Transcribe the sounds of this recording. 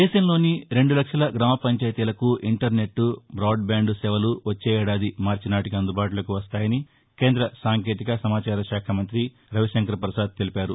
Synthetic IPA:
d̪ɛːʃɐmlo̞ːniɾe̞ɳɖulɐkʂɐlɐɡɾaːmɐpɐɲt͡ʃɐːjt̪ilɐkuʔiɳʈɐɾne̞ʈːubɾaːɖbaːɳɖusɛʋɐluʋɐt͡ʃːeːɛːɽaːd̪imaːɾt͡ʃinaːʈikiɐnd̪ubaːʈulɐkuʋɐst̪aːjɐni | ke̞ːnd̪ɾɐsaːŋke̞ːt̪ikɐsɐmaːt͡ʃaːɾɐʃaːkʰɐmɐnt̪ɾi | ɾɐʋiʃɐŋkɐɾɐpɾɐsaːd̪̚t̪e̞lipaːɾu

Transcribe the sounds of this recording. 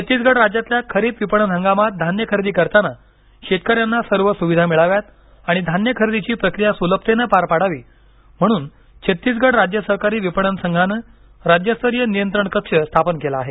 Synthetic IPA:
t͡ɕʰət̪ːiːs̬ɡəɽɾad͡ʑjat̪ljakʰəɾiːt̪ʋipəɳ̃ənɦəŋɡamat̪̚d̪ʱanjəkʰəɾd̪iːkəɾt̪ana | ɕet̪̚kəɾjanːasəɾʋəsuʋid̪ʱamiɭaʋjat̪ | aɽ̃id̪ʱanjəkʰəɾd̪it͡ɕiːpɾəkɾijasuləp̚t̪enəpaɾpaɽaʋiː | m̤əɽ̃uːn | t͡ɕʰət̪ːiːs̬ɡəɽɾad͡ʑjəsəɦkaɾiːʋipəɳənsəŋɡʱanə | ɾad͡ʑjəst̪əɾjənijənt̪ɾəɳkəkʂəst̪ʰapənkelaːɦe

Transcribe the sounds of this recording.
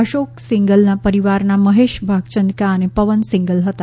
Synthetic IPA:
əʃoksiŋɡəlnapəɾiʋaɾnaməɦeʃbʱaɡt͡ɕənd̪kaənepəʋənsiŋɡəlɦət̪a

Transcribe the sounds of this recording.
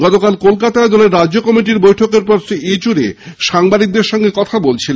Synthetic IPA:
ɡɔt̪okalkolkat̪aed̪ɔleɾːad͡ʑokɔmiʈiɾbojʈʰokeɾpɾoɾsiet͡ɕuɾeʃaŋbad̪ik̚d̪eɾʃɔŋɡekɔt̪ʰabolt͡ɕʰil

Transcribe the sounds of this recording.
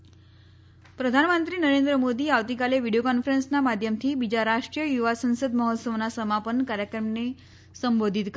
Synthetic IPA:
pɾəd̪ʱanmənt̪ɾiːnəɾend̪ɾəmod̪iːaʋt̪ikaleʋiɽiokɔnfəɾensnamad̪ʱjəmt̪ʰiːbid͡ʑaɾaʂʈɾijəjuʋasə̃ñsəd̪məɦot̪səʋnasəmapənkaɾjəkɾəmne | səmbod̪ʱit̪k

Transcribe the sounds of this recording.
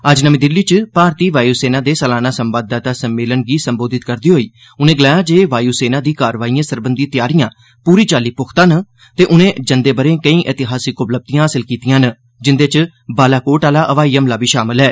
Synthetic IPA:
əd͡ʒnəmĩːd̪ɪlːiːt͡ʃpaːɾt̪iːʋaːjuːseːnaːd̪eːsəlaːnaːsəmbaːd̪aːt̪aːsəmːeːlənɡiːsəmboːd̪ɪt̪kəɾd̪iːɦoːiː | ʊnẽːɡlaːjãːd͡ʒeːʋaːjuːseːnãːd̪iːkaːɾʋaːiːãːsəɾbənd̪iːt̪ɪjaːɾijãː | puːɾiːt͡ʃaːliːpʊkʰt̪ãːnə | t̪eːʔʊnẽːd͡ʒənd̪eːbəɾẽːkəĩːʔeːt̪ɪɦaːsikʊpləb̚t̪ijãːɦaːsɪlkiːt̪ijãːnə | d͡ʒɪnd̪eːt͡ʃ | baːlaːkoːʈaːlaːʔəʋaːiːəmlaːbiːʃaːmɪlɦɛː

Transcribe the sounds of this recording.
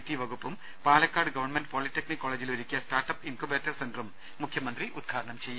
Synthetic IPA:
t̪ːiʋɐɡupːum | paːlɐkːaːɖɨɡɐʋɐrɳmenɖɨpoːliʈːeknikːoːɭeːd͡ʑiluɾikʲːijɐsʈaːrʈɐpinkobeːtːɐrsenɖrumː | ukʰjɐmɐnd̪riʔud̪̚ɡʰʱaːɾɐɳɐmt͡ɕejːu

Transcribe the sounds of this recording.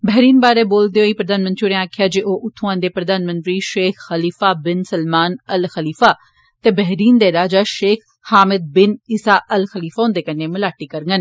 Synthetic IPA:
bɐɦɾiːnbaːɾeboːld̪ijoiːpɾɐd̪aːnmɐ̃nt̪ɾiɾeãːkʰijad͡ʒeʔoʔʊt̪ʰõãːn̆d̪epɾɐd̪aːnmɐ̃nt̪ɾiʃeːxxɐliːfabɪnsɐlmaːnɐlxɐliːfa | t̪ebɛɦɾiːnd̪eːɾaːd͡ʒaʃeːx | haːmɪd̪̚bɪniːsaʔɐlxɐliːfaɦʊ̃nd̪ekɐnemɪlaːʈikɐɾŋɡən

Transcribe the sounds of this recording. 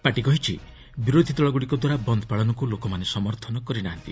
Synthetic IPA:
paʈikɔɦit͡ʃʰi | biɾod̪ʱid̪ɔɭɔɡuɽikɔd̪waɾabɔnd̪ʱɔpaɭɔnɔkulokɔmanesɔmɔɾt̪ʰɔnɔkɔɾinaɦant̪i

